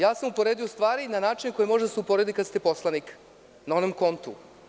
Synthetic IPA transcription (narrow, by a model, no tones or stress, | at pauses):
jaːsamupo̞ɾeːd̪ijost̪ʋaːɾinanaːt͡ʃineko̞jemo̞ʒed̪aseupo̞ɾe̞d̪ikast̪epo̞slˠanik | nao̞nomko̞nt̪ṵ